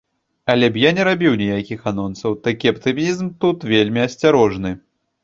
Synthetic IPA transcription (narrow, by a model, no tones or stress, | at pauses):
ɐlʲɛbjanʲɛɾabʲiwnʲijakʲixanɔnsɐwt̪akʲiɐpt̪ɨmʲizmt̪ut̪vʲelʲmʲiɐsʲt͡sʲaɾɔʐnɨ